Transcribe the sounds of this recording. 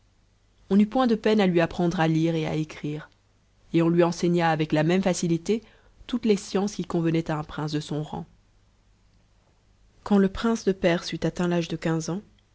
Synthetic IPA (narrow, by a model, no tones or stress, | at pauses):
ɔ̃nypwɛ̃d̪əpɛnalɥiapχɑ̃d̪ʁaliʁea̰ekχiːʁ | eɔ̃lɥiɑ̃seɲaːvɛklamɛmfasilit̪e | t̪ut̪lesjɑ̃skʲikɔ̃vənɛt̪aɛ̃pχɛ̃sd̪əsɔ̃ʁɑ̰̃ | kɑ̃ləpχɛ̃sd̪əpɛʁsyt̪at̪ɛ̃laʒd̪əkʲɛ̃zɑ̃